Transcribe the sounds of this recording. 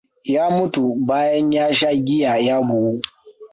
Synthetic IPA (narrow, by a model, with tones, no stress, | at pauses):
jaː˦mʊ˦tu˨baː˦jɐ˦ɲjaː˦ʃa˦ɡʲɪ˦jaː˨jaː˦bʊ˨wu˦